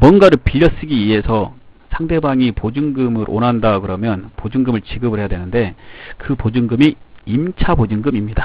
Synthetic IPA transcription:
mwʌnɡaɾɯpiʎːʌs͈ɯɡiiɦe̞sʰʌ | sʰaŋde̞baŋipod͡ʑuŋɡɯmɯɾʔo̰nɦandakɯɾʌmjʌnpod͡ʑuŋɡɯmɯɭt͡ɕiɡɯbɯɭɦe̞jadwenɯnde̞kɯpod͡ʑuŋɡɯmiimt͡ɕʰabod͡ʑɯŋɡɯmimɲida

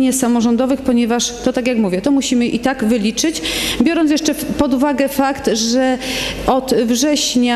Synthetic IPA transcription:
ɲɛsamɔʐɔnd̪ɔvɘxpɔɲɛvaʂt̪ɔt̪aɡjakmuvʲjɛt̪ɔmuɕimɘʔit̪aɡvɘlʲit͡ʂɘt͡ɕbʲjɔɾɔnt̪̬jɛʂt͡ʂɛpɔd̪uvaɡɛfakt̪ʐɛɔd̪vʐɛɕɲa

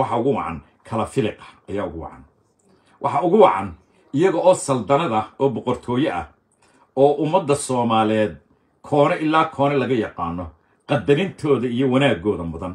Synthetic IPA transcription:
wɑħɑʊɣʊwɑ̰ʕɑ̰n | kʰɐlɐfɪlɪqɑ̥ɐjaːʊɣʊwɑ̰ʕɑ̰n | wʔɑ̰ħɑʊɣʊwɑʕɑ̰n | ɪjɐɣɔʔɔːsɐld̪ɐnɐðɐɔːbɔqɔrt̪ʰɔːjɐʔɐ̰ | ɔːʔʊmːɐd̪ːɐsɔːmaːlɛːd̪̚ | kʰɔːnɛʔɪlːaːkʰɔːnɛlɐɣɐjɑqaːnːɔ | qɑd̪ɐɾɪnt̪ʰɔːðɐijɔwɐnaːɡɔːðɐmʊðɐn

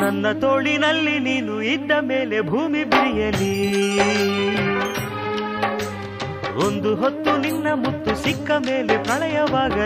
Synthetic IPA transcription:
nɐnːɐt̪oːɭinɐlːiniːnuid̪ːɐmeːle̞bʱuːmibiɾijɐli | ond̪uɦot̪ːuninːɐmut̪ːusikːɐmeːle̞pɾɐɭɐjɐʋaːɡɐ

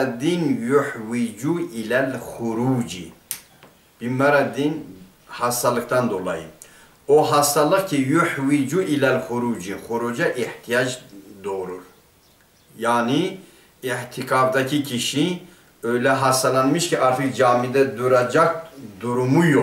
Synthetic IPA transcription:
d̪injuħwid͡ʒuilɛlxuɾud͡ʒḭ | b̥imɛɾad̪in | hɑst̪alɨk̚t̪ʰand̪ola̰jḭ | oɦast̪alɨkcʰijuħwid͡ʒuʔilɛlxuɾud͡ʒixuɾud͡ʒɛʔiht̪ʰijad͡ʒd̪oɾuɾ | jaːni | iht̪ʰikʰaːbd̪akʰikʰiʃi | øjlɛɦast̪alanmiʃkiʔaɾt̪ʰikd͡ʒaːmid̪ɛd̪uɾad͡ʒak̚d̪uɾumujo

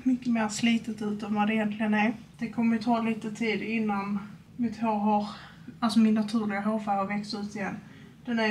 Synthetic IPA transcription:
mʏkːəmeːɾsliːt̪ət̪ʉ̟ːt̪ɔmvad̪ɛɪjɛnt̪lɪɡənæɾd̪̥ɛkʰɔmːəɾjət̪ʰɑːliːt̪ət̪ʰiːd̪ɪnːan | mɪt̪hoːɦɑɾ | alsɔmɪnːat̪ʰʉ̟ːɾlɪɡaɦoːɾfaːlhaɾvɛkst̪ʉ̟ːt̪ɪjɛnː | d̪̥ɛnæ

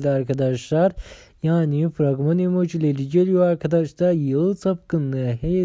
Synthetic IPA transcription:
llʲiaɾkʰad̪aʃlˠaɾjaːnifɾaɡmanemod͡ʒilʲeliɟelʲijaɾkʰad̪aʃlˠaɾjɯlˠt̪ʰap̚kɯnːɯɦej

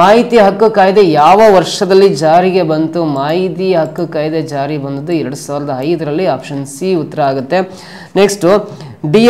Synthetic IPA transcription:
aːɦit̪ijɐɦɐkːukaːjd̪e̞jaːʋɐʋɐɾʂɐd̪ɐlːid͡ʒaːɾiɡe̞bɐnt̪umaːɦit̪ijɐɦɐkːukaːjd̪e̞d͡ʒaːɾibɐnd̪ud̪ːuɛɾɐɽusaːʋɾɐd̪ɐɦɐjd̪ɐɾɐlːiaːpʂɐnsiut̪ːɐɾɐaːɡut̪ːe̞ | neksʈu | ɖi

